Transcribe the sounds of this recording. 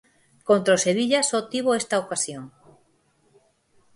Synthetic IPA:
kont̪ɾoseβiʎasot̪iβoest̪aokasjoŋ

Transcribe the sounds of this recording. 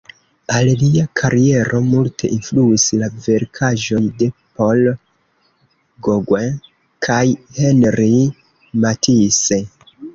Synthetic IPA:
alliakʰaɾie̞ɾʔo̞multʰe̞ʔinfluislave̞ɾkʰaʒo̞jde̞po̞l | ɡoɡwen | kʰajhenɾi | matʰise

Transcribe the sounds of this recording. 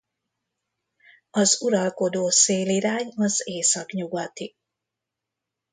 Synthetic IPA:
ɒzuɾɒlko̞d̪oːseːliɾaːɲɒzeːsɒkɲuɡɒt̪i

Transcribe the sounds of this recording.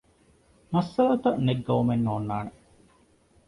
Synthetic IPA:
mɐsːɐlɐt̪ɐneɡːɐʋumenːoːnːaːne

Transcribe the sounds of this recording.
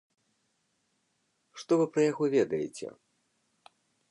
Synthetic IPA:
ʂt̪ɔvɨpɾɐjaɣɔvʲɛd̪ɐjḛt͡sʲɛ̰

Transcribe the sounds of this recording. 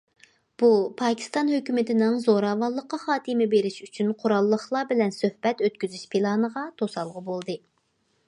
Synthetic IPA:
b̥upʰɑːkʲʰi̥st̪ɑnhøkʲymɪt̪ɪnɪŋzoɾɑːvɑlˠːəqːɑχɑːt̪ʰɨmɪbeɾɪʃyt͡ʃʰynqʰʊɾɑlˠːəχlˠɑbɪlɛnsøhb̥ɛt̪øt̪̚kʲyzyʃpʰilˠɑːnəʁɑt̪ʰosɑlˠʁʊbolˠd̪ɨ

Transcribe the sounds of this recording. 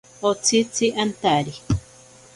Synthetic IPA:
ot͡sʰit͡siʔant̪aɾi

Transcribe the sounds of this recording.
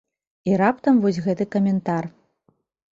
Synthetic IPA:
iɾap̚t̪ɐmvɔs̬ʲɣɛt̪ɨkɐmʲɛnt̪ar

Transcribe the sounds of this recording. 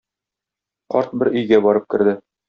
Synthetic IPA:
qɒ̰ɾt̪̚bɘɾɵ̆jɡæbɒɾɤp̚kɘ̆ɾd̪ɘ

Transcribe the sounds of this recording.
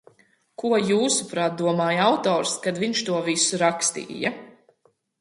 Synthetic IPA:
kuɔjuːsupɾaːt̪̚d̪uɔmaːjawt̪ɔːɾskad̪viɲʃt̪uɔvisuɾakst̪ḭːja

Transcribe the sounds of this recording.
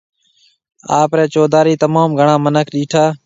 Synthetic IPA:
aːpɾeːt͡ʃoːd̪aːɾiːt̪əmaːmɡʱəɳãːmənəkʰɗiːʈʰaː

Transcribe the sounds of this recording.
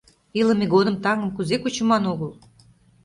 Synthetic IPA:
iləmeɣod̪ə̆mt̪ɑŋə̆mkuzekut͡ɕə̆mɑnoɣəl

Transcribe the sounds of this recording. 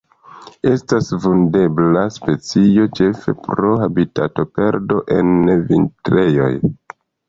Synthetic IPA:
e̞stasvunde̞blaspe̞t͡sio̞t͡ʃe̞fe̞̰pɾo̞habita̰to̞pe̞ɾdo̞ʔe̞nvḭntɾe̞jo̞̰j

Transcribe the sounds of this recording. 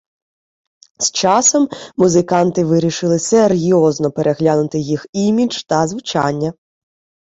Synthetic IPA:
zst͡ʃɑsɔmːuzɪkɑnt̪ɪʋɪɾʲiʃɪlˠɪserjɔznɔpeɾʔeɦlʲanʊt̪ɪjiximʲid͡ʒt̪ɐzʋʊt͡ʃɑnʲːɐ

